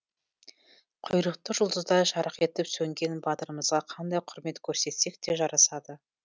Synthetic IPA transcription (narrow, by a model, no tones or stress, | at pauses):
qʰʊjɾəqt̪əʒʊlˠd̪əzd̪ɑʃɑɾəqe̞t̪ɪpsɵŋɡʲe̞nbɑt̪əɾəməzʁɑqʰɑnd̪ɑjqʰʊɾme̞t̪kʲʰɵɾse̞t̪se̞k̚t̪e̞ʒɑɾɑsɑd̪ə